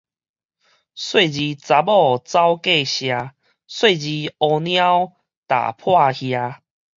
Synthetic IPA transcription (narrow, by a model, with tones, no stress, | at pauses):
swe˥˨d͡ʑi˧t͡sa˧bɔ˥˧˨t͡sa˦ʊwke˥˧˨ɕja˧ | swe˥˧˨d͡ʑi˧ɔ˧nj̃a˦w | t̪a̰˨˩pʰwa˥˧hja˧